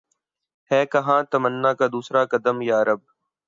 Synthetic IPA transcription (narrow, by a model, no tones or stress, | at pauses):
hɛːkəɦãːt̪əmənːaːkaːd̪uːsɾaːkəd̪əmjaːəɾəb̚